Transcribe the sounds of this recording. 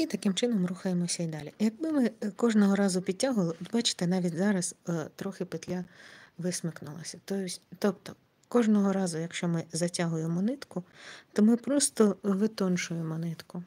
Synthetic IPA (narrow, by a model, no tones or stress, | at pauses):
it̪ɐkɪmt͡ʃɪnɔmruxɐjemɔsʲɐid̪ɑlʲijɐɡ̚bɪmɪkɔʒnɔɦɔɾɑzʊpʲid̚ʲtʲːaɦʊlˠɪd̪bɑt͡ʃɪ̥t̪ɛnɑʋʲitʲzɑɾɐst̪ɾɔxɪpɪt̪ʲlʲaʋɪsmɪknʊ̰lˠɐ̰sʲɐt̪ɔsʲt̪ɔp̚t̪ɔ | kɔʒnɔɦɔɾɑzʊjɐkʃt͡ʃɔmɪzɐtʲaɦʊjemɔnɪt̪kʊt̪ɔmɪpɾɔst̪ɔʋɪt̪ɔnʃʊjemɔnɪt̪kʊ